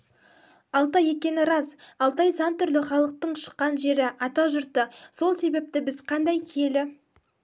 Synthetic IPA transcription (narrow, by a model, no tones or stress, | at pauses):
ɑlˠt̪ɑje̞kʲe̞nɪɾɑzɑlˠt̪ɑjsɑnt̪ʰʏɾlɪχɑlˠəq̚t̪əɴʃə̥qːɑnʒe̞ɾɪʔɑt̪ɑʒʊɾt̪əso̞lˠse̞be̞p̚t̪ɪbɪzqʰɑnd̪ɑjkʲʰe̞lɪ